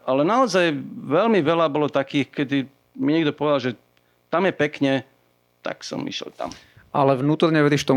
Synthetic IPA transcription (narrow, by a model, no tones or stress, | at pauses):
ʔalɛnaɔzajʋɛlmiʋɛlabɔlɔt̪akiːxkɛd̪i | miɲɛɡd̪ɔpɔʋɛd̪alʒɛ | t̪amjɛpɛkɲɛ | t̪a̰ksɔ̰mḭʃɛ̰lt̪a̰m | ʔalɛʋnuːt̪ɔɾɲɛʋɛɾiʃft̪ɔ